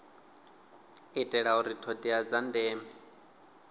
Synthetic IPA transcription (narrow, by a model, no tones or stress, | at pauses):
itʼɛɺauɾitʰɔdiad͡zandɛːmɛ